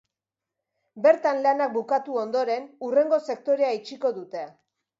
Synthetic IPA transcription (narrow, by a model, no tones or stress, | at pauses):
be̞ɾt̪anlanak̚bukat̪uo̞nd̪o̞ɾe̞nure̞ŋɡo̞se̞k̚t̪o̞ɾe̞ait͡ʃiko̞ðut̪e̞